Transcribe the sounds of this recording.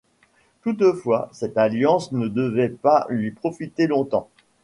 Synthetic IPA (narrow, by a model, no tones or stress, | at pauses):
t̪ut̪əfwasɛt̪aljɑ̃snəd̪əvɛpalɥipχɔfit̪elɔ̃t̪ɑ̃